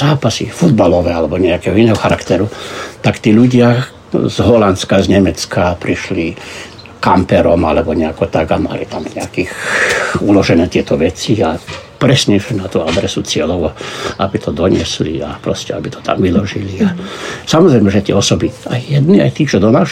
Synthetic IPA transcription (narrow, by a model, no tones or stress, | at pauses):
zaːpasḭfud̪balɔʋɛːalɛbɔɲɛakɛːɦɔinɛːɦɔxaɾakt̪ɛɾut̪akt̪iːʎuɟɪa | zɦɔlant̪t͡sskazɲɛmɛt͡skapɾiʃli | kampɛɾɔmalɛbɔɲɛakɔt̪aɡama̰lḭt̪amɲɛakiːx | ulɔʒɛnɛːt̪ɪɛt̪ɔʋɛt͡siapɾɛsɲɛʒɛnat̪uad̪ɾɛsut͡sɪɛlɔʊaʔabit̪ʰɔd̪ɔɲɪɛslḭapɾɔscɛa̰bit̪ʰɔ̥t̪a̰mʋilɔʒiliasamɔzɾɛjmɛʒɛt̪ɪɛɔsɔbia̰jjɛd̪nia̰jt̪iːt͡ʃɔd̪ɔnaːʃ